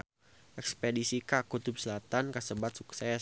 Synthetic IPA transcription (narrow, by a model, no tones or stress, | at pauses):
ʔɛkspedisikakut̪up̚səlat̪ankasəbat̪̚suksɛ